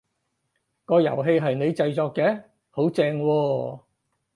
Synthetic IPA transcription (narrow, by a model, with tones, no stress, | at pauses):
kɔː˧jɐ̰˨˩wɦe˧jɦɐ˨jne˨˧jt͡sɐ˧jt͡sɔː˧kːɛː˨˥ | ho˨˥wt͡sɛː˧ŋwɔː˧